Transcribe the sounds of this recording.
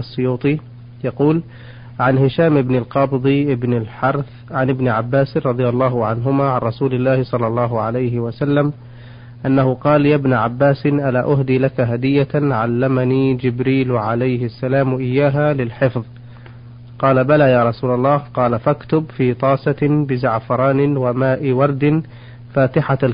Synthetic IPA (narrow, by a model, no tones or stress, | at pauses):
ɑsˤːʊjuːt̪ˤi | jɑquːl | ʕanhɪʃaːmʔɪbnɪlqɑbd̪ˤiʔɪbnalħɑɾˤθ | ʕanɪbnɪʕabːaːsɾˤɑd̪ˤɨjɑlˤːɑːɦʊʕanɦʊmaːʕanɾˤɑsuːlɪlːaːhsˤɑlːɑlˤːɑːɦʊʕalajɦɪwasalːam | ʔanːahʊqɑːljabnʕabːaːsɪʔalaːʔʊɦd̪iːlakaɦad̪ɪjːaʕalːamaniːd͡ʒɪbɾiːlʕalajhɪasːalaːmʔɪjːaːɦalɪlħɪfðˤ | qɑːlabalaːjaːɾˤɑsuːlɑlˤːɑːhqɑːlafakt̪ʊbfiːt̪ˤɑːsɑbɪzaʕfɑɾˤɑːnɪwamaːʔɪwɑɾˤd̪ɪn | faːt̪ɪħa